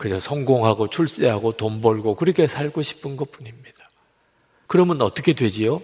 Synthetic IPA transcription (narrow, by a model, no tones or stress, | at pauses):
kɯd͡ʑʰʌsʰʌŋɡoŋɦaɡot͡ɕʰuɭs͈eɦaɡotombʌɭɡokɯɾʌkʰe̞sʰaɭɡoɕʰi̥pʰɯnɡʌt̚p͈uɲimɲid̥a | kɯɾʌmʌnʌt͈ʌkʰe̞dwe̞d͡ʑijo